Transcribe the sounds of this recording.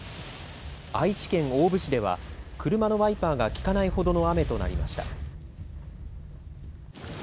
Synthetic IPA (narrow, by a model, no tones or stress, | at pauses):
ait͡ɕi̥kẽ̞ŋo̞ːbɯ̟ɕid̪e̞βa̰kɯ̟ɾɯ̟mano̞βaipaːɡakʲi̥kanaiho̞d̪o̞no̞ame̞t̪o̞na̰ɾʲima̰ɕi̥t̪a̰